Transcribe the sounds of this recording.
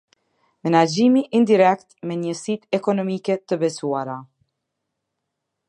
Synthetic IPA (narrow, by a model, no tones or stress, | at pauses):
mɛnad͡ʒiːmiʔind̪iɾɛkt̪mɛɲəsiːt̪ɛkɔnɔmiːkɛt̪əbɛsuaɾa